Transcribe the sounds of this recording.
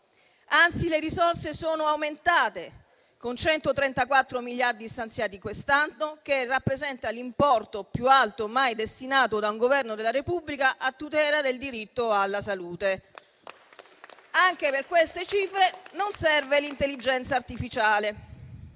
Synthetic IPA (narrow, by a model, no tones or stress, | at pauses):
ant̪sileɾisorsesoːnoawment̪aːt̪e | kont͡ʃɛnt̪ot̪ɾɛnt̪akwat̪ːɾomiljard̪ist̪ant̪sjaːt̪ikwest̪anːok̟erapːɾezɛnt̪alimpɔrt̪opjualt̪omajd̪est̪inaːt̪od̪auŋɡovɛrnod̪elːaɾepubːlikaʔat̪ːut̪ɛːlad̪eld̪iɾit̪ːoalːasaluːt̪e | aŋk̟eperkwest̪et͡ʃiːfɾenonsɛrvelint̪elːid͡ʒɛnt̪saːrt̪ifit͡ʃaːle